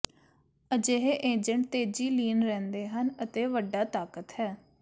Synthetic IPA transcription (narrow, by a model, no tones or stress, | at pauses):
əd͡ʒeɦeːʔeːd͡ʒəɳʈ̚t̪eːd͡ʒiːliːnɾɛ̃ːnd̪eːɦənət̪eːʋəɖaːt̪aːkət̪hɛː